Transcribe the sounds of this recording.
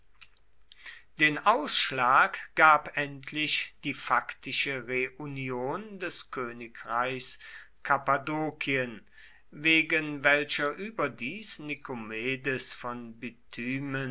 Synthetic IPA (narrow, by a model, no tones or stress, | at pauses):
d̥eːnʔaʊsʃlaːkɡ̥aːpʔɛntʰlɪʃd̥iːfaktɪʃəʁeʔunjoːndɛskʰøːnɪkʁaɪçskʰapadoːkʰiən | veːɡənvɛlʃɐʔyːbɐdiːsnikomeːdəsfɔnbytʰyːmən